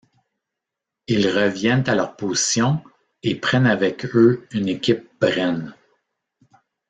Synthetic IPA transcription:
ilʁəvjɛnt̪alœʁpozi̥sjɔ̃ | epχɛnavɛkøynekʲɪp̚bʁɛn

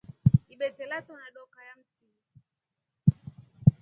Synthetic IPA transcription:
iɓɛtɛlatɔnaɗɔkajam̩ti

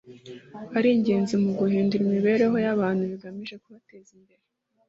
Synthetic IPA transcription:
aɾiːɲɟe̞ːnzimuɡuɦiːnduɾimiβe̞ːɾe̞ɦo̞jaβaːn̥huβiɡamiʒe̞kuβate̞ːzimbe̞ɾe

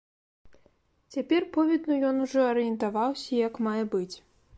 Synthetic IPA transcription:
t͡sʲapʲɛrpɔvʲɛd̪nujɔnuʐɔɐɾɨjɛnt̪avawsʲɐijɐkmajɛbɨt͡sʲ

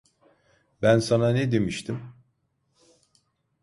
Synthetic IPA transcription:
bænsananɛd̪e̞miʃt̪ʰim

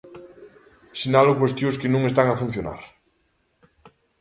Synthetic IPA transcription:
sinalʊkwest̪joskɪnũŋest̪aŋafũn̟θjona̰ɾ

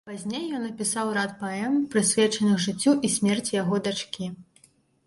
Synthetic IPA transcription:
pazʲnʲejːɔnɐpʲisawɾat̪̚paɛmpɾɨsʲvʲɛt͡ʂɐnɨxʐɨt͡sʲːuʔisʲmʲɛrt͡sʲijaɣɔd̪at͡ʂkʲi

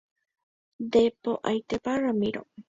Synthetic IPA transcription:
d̪epoʔajt̪epaɾamɪɾo̰

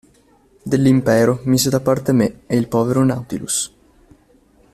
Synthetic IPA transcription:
d̪elːimpɛːɾomiːzed̪apːart̪emeeilpɔːveɾonawt̪ilṵs

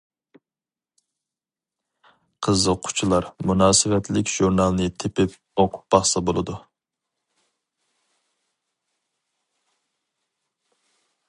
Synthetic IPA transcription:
qʰəzəqʰʊ̥t͡ʃʰilˠɑɾmunɑːsɨvɛt̪lɪkʲʒuɾnɑlˠnɨt̪ʰepɪp̚ | oqʰʊ̥t̪̚bɑχsɑbolˠɨd̪u

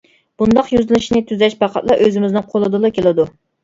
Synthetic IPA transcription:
b̥und̪ɑqjyzɨlɪʃnɪt̪ʰyzɛʃpʰɑqʰɑ̰t̪lˠɑʔøzɪmɪznɨŋqʰolˠɨd̪ɨlˠɨkʲʰelɪd̪u

